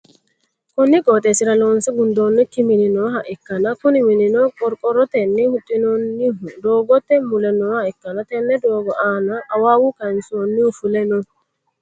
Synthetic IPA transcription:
konːikɔtɛsiɾalɔnsɛɡundɔnːɛkːimininɔɦaʔɛkːanakunimininɔkʼɔɾkʼɔɾɔt̪ɛnːɛhutʼːinɔnːiɦudɔɡɔt̪ɛmulɛnɔhaɛkːanatɛnːɛdɔːɡɔʔanaʔːwawukansonːiufulɛnɔn

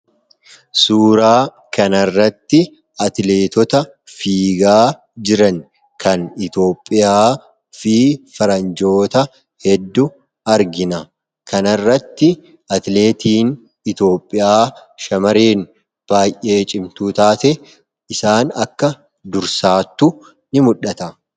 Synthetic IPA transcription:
suːɾaː | kɐnɐrːɐt̪ːɪ | ɐt̪le̞ːt̪ɔt̪ɐ | fiːɡaː | d͡ʒɪɾɐn | kʰɐnɪt̪o̞ːpʼːɪjaː | fiːfɐɾɐnd͡ʒo̞ːt̪ɐ | hɛd̪ːʊ | ɐɾɡɪnɐ | kʰɐnɐrːɐt̪ːɪ | ɐt̪le̞ːt̪iːn | ɪt̪o̞ːpʼːɪjaːʃɐmɐɾe̞ːn | b̥aːjʔʔeːt͡ʃʼɪmt̪uːt̪aːt̪ɛ | ɪsaːnɐkːɐ | d̪ʊɾsaːt̪ːʊ | nɪmʊᶑɐt̪ɐ

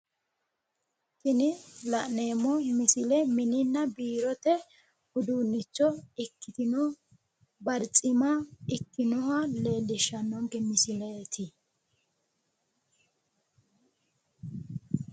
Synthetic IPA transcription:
tɪnɪlɐʔneːmːɔmɪsɪlɛmɪnɪnːɐbiːɾɔt̪ɛ | ʊd̪uːnːɪt͡ʃːɔɪkːɪt̪ɪnɔ | bɐɾt͡sʼɪmaɪkːɪnɔhɐleːlːɪʃːɐnːɔŋɡɛmɪsɪlet̪ʰɪ

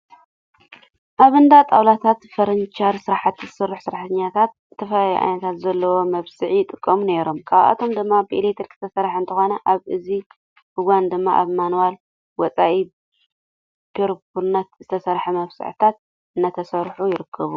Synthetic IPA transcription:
ʔaβɨnd̪at̪ʼawlat̪ʰat̪fɐɾɐnt͡ʃʰaɾsɨɾaħat̪ːɨzɨsɐrːuħsɨɾaħt̪ʰɐɲːat̪ʰat̪ɨt̪ʰːɐfɐlajiʔa̰jnɐt̪ʰat̪zɐlːɐwo̞mɐβsɨʕijt̪ʼɨkʼːɐmune̞ɾo̞mkʰʼaβʔa̰t̪ʰo̞md̪ɨmːabɨʔilet̪ʰɐɾkʰɨ̥t̪ʰɐsɐɾħant̪ʰɐxo̞nɐʔaβʔɨzi | huɡand̪ɨmːaʔa̰βmanuwal | wɔt͡sʼaʔi | pʰeɾpuɾnɐt̪zɨt̪ʰɐsɐɾħɐmɐβsɨ̰ʕɨ̰t̪ʰat̪̚ | ɨnːat̪ʰɐsɐɾħujɪɾɨkʰːɐβu

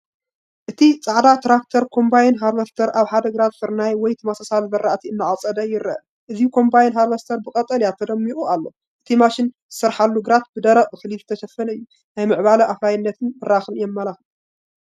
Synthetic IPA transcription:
ʔɨt̪ʰit͡sʼaʕd̪at̪ʰɾakt̪ʰɐɾkʰo̞mbajnɦaɾlɐst̪ʰɐɾʔaβħad̪ɐɡɨɾat̪fɨɾnajwɔjt̪ʰɨmasasalzɐɾaʔt̪ʰiɨnːaʕat͡sʼɐd̪ɐjɪɾɐ̰ʔ | ʔɨzikʰo̞mbajnɦaɾlɐst̪ʰɐɾbɨkʼɐt̪ʼɐljat̪ʰɐd̪ɐmːiʔʼualːo̞̰ | ʔɨt̪ʰimaʃɪnzɨsɐɾħalːuɡɨɾat̪̚bɨd̪ɐɾɐʔʼɨxɨlizɨt̪ʰɐʃɐfɐnɐɨjːu | najmɨʕbalɐʔaflajnːɐt̪ʰɨnbɨɾaxɨnɨjɛmːɐlax

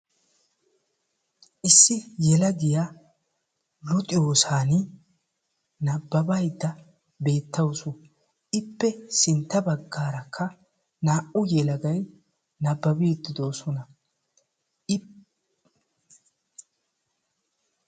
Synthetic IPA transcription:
ʔɪsːɪjɛlɐɡɪja | lʊt̪ʼɪjo̞ːsaːnɪ | nɐbːɐbɐjd̪ːɐ | be̞ːt̪ʰːɐwsʊ | ʔɪpːɛsɪnt̪ːɐbɐɡːaːɾɐkʰːɐ | naːʔʊjɛlɐɡɐj | nɐbːɐbiːd̪ːɪd̪oːsɔnɐ

